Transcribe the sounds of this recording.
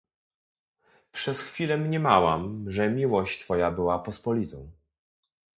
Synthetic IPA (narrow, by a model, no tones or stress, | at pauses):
pʂɛsxfʲilɛmɲɛmawamʐɛmʲiwɔɕt͡ɕt̪fɔjabɘwapɔspɔlʲit̪ɔ̰̃w̃